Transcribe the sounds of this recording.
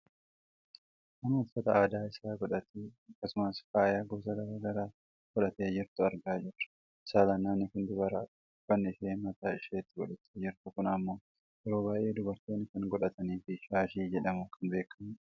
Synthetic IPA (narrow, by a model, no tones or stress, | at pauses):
ʔɐnʊfːɐt̪ɐaːd̪aːɪsaːɡɔᶑɐt̪eːɐkːɐsʊmɐsfaːjaːɡoːsɐɡɐɾɐɡɐɾaː | ɡ̥ɔᶑɐt̪eːd͡ʒɪɾt̪ʊɐɾɡaːd͡ʒɪrɐ̥ | ɪ̥saːlɐnːaːnːɪkɪnd̪ɪbɐɾaː | b̥ɐnːɪɪseːmɐt̪aːɪʃeːt̪ːɪɡɔᶑɐt̪eːd͡ʒɪɾt̪ʊkʊnɐmːo̞ː | ʔɛɾo̞ːβaːjʔe̞ːd̪ʊbɐɾt̪o̞ːnːɪkɐŋɡɔᶑɐt̪ɐniːfɪʃaːʃiːd͡ʒɛᶑɐmʊkʰɐnbe̞ːkːɐm